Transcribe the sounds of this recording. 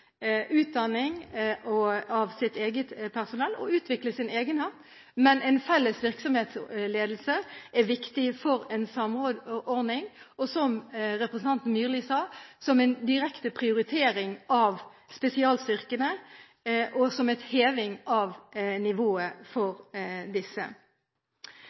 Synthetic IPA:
ʔʉːt̪̚d̪ɑnːɪŋɔɑʋsɪt̪eːɡət̪pʰæʁsʊnɛlːɔ̰ʉːt̪ʰʋɪkləsɪneːɡənhɑːt̪ | mɛnɛnfɛlːəsʋɪɾksɔmheːt̪sleːd̪l̩səʔæʋɪkt̪ɪfɔɾɛnsɑmod̪ɔɾd̪nɪŋɔsɔmɾɛpɾəsn̩ʰɑnt̪n̩myːɾliːsɑːsɔmɛɪnd̪ɪɾɛkt̪əpʰʁɪʊɾɪt̪ʰeːɾɪŋʔɑʋspɛsɪɑːlst̪ʏʁkənə | ʔɔsɔmɛt̪heːʋɪŋɑːʋnɪʋoːəfɔɾd̪ɪsə̰

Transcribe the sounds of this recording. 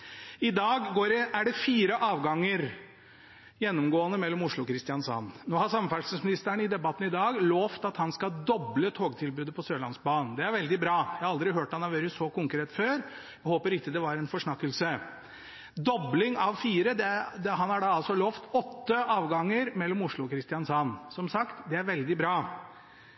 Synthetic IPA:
ɪd̪ɑːɡːoːɾɛæɖɛfiːɾəʔɑːʋɡɑŋːəɾ | jɛnːɔmɡoːənəmɛlːɔmʊʂɭʊkʰɾɪst̪ɪjɑnsɑ̰nːnoːhɑɾsɑmfæʈsəsmɪnɪst̪əɳɪd̪ɛbɑt̪ːn̩ɪd̪ɑːɡloːft̪ɑt̪hɑnskɑd̪ɔblət̪ʰoːɡt̪ʰɪlbʉːd̪əpʰɔsøːlɑ̰nsbɑːnd̪ɛæɾʋɛld̪ɪbɾɑːjæɪhɑɑld̪ɾɪɦøːʈhɑnhɑɾʋøːɾəsɔkʊŋkɾeːt̪føːɾ | jæhoːpəɾɪk̪ːəd̪ɛʋɑɾɛnfɔʂɳɑkːəlsə | d̪ɔblɪŋɑʋfiːɾəd̪ɛd̪ɛɦɑnhɑɖɑɑlsɔloːft̪ɔt̪ːəʔɑːʋɡɑŋːəɾmɛlːɔmʊʂɭʊɔkʰɾɪst̪ɪjɑnsɑnːsɔmsɑkt̪d̪ɛæɾʋɛld̪ɪbɾɑː

